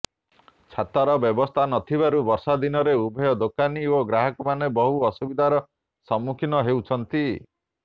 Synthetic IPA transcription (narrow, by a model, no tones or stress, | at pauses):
t͡ʃʰat̪aɾɔbjɔbɔst̪ʰanɔt̪ʰibaɾubɔɾsad̪inɔɾeubʱɔjɔd̪okanioɡɾaɦɔkɔmanebɔɦuɔsubid̪ʱaɾɔ | sɔmːukʰinɔɦewt͡ʃʰɔnt̪i